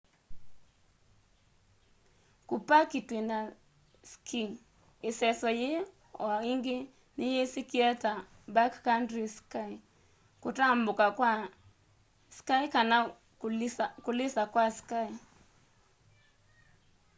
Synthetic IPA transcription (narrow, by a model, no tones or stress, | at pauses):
kupakitwena | skʰiŋ | esɛsɔje | aiŋɡe | nɪjesikiɛta | bakkandɾiskai | kutambokakwa | skaikana | kulɪsakwaskai